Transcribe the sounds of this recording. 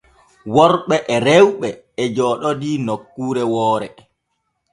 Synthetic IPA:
wɔɾɓɛʔɛɾɛwɓɛ | ɛd͡ʒɔːɗɔdiːnokːuːɾɛwɔːɾɛ

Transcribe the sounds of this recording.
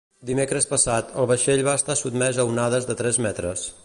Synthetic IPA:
d̪imekɾəspəsat̪əlˠβəʃeʎβaəst̪asut̪mɛzəunaðəzðət̪ɾɛzmɛt̪ɾəs

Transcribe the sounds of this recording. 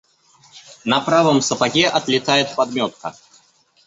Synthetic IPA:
nɐpɾavəmsəpaɡʲɛʔɐt̪lʲɪt̪ajɪt̪̚pad̪mʲɔt̪̚kə̰

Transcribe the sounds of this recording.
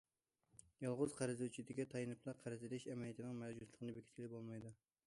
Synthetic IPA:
jɑlˠʁʊzqʰɑɾɨzut͡ʃʰid̪ɪɡʲɛt̪ʰɑjɨnɨplˠɑqʰæɾɨzɪlɪʃɛmɛlijt̪ʰɪnɪŋmɛd͡ʒuslˠɨqʰənɨbɪkʲi̥t̪̚kʲilɪbolˠmɑjd̪u

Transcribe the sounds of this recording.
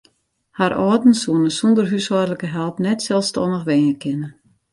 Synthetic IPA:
haɾʔɔːdn̩suənəsundərɦysɔdələkəɦɛlˠpnɛtsɛlˠstʰɔnəxʋeːnəkʰɪnə

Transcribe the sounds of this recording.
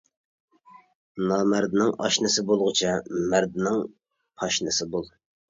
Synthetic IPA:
nɑːmæɾd̪ɪnɪŋɑ̰ʃnɨsɪbolˠʁʊt͡ʃʰɛmæɾd̪ɪnɪŋ | pʰɑʃnɨsɪbolˠ

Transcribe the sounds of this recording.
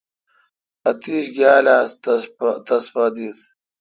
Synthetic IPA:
ɐt̪iɕɡʲaːlaːst̪ɐspɐd̪it̪

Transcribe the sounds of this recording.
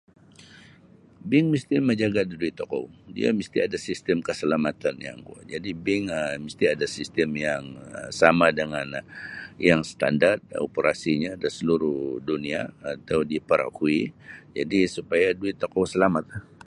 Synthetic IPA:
bɪŋmist̪iməɲd͡ʒaɡadiduit̪okɔ̰wdḭa̰mist̪iadasist̪əmkəsəlamat̪anja̰ŋɡua̰d͡ʒadibɪŋəmist̪iadasist̪əmjaŋsamadəŋanjaŋsət̪a̰ndart̪̚o̰pəɾasiɲaːdasəluɾʊhdunia̰ːt̪awdipəɾa̰kuid͡ʒadisupajaduɪt̪ːokɔwsəlamat̪̚ah

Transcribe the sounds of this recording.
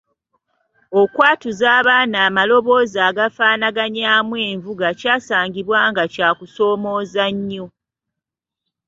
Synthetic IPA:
okwaːtuzaːβaːnaːmalo̞βo̞ːzaːɡafaːnaɡaɲaːmwe̞ːɱvuɡacaːsaːŋɡiβwaːŋɡacaːkuso̞ːmo̞ːzaɲːo

